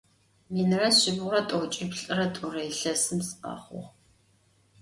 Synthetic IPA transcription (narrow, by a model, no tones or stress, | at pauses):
minrɐɕɪbʁʷʊrɐtʼoːt͡ʃʼɪbɬʼɨrɐtʼʊrɐiɬɐsɨmsʔa̰ːχʷʊ̰ʁ